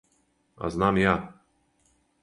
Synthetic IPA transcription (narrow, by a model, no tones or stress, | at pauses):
a̰znamja